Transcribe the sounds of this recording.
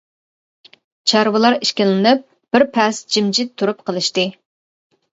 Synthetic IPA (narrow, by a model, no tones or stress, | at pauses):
t͡ʃʰɑɾwɨlˠɑɾiʃkʲɪllɪnɪp̚ | b̥ɪɾpʰɛsd͡ʒimd͡ʒit̪ʰːuɾup̚qʰəlˠɨʃt̪ɨ